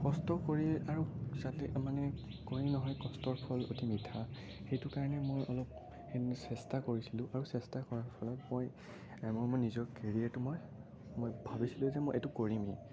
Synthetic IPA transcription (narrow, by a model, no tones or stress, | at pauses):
kɔstɔkoɹiaɹuzatɛmanɛkoɹinɔɦɔjkɔstɔɹpʰɔlotimitʰa | xejtʊkaɹɔnɛmojɔlɔp̚ | esɛstakoɹisilʊ̃ʔaɹusɛstakɔɹapʰɔlɔmoj | mojmojnizɔɹkeɹiatumoj | mojbʱabisilʊ̃zɛmojʔetʊkoɹimi